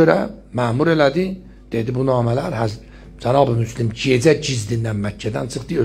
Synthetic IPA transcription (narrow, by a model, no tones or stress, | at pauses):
øɾæ̰ | mæːmuɾe̞læd̪i | d̪̥e̞d̪ibunɑːmælæɾhæz | d͡ʒænɑːbimyslimd͡ʒe̞d͡ʒæɟizd̪ind̪ænmæcʰːæd̪ænt͡ʃʰɯχd̪ɯø